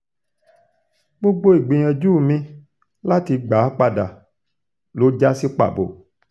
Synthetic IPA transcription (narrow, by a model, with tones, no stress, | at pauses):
ɡ͡bo˦ɡ͡bo˦i˨ɡ͡bi˨ɲ̃ɛ̃˨d͡ʒuː˦˨mĩ˧ | la˦ti˧˦ɡ͡ba˨˦k͡pa˧da˨ | lo˨˦d͡ʒa˦si˦k͡pa̰˨bo̰˨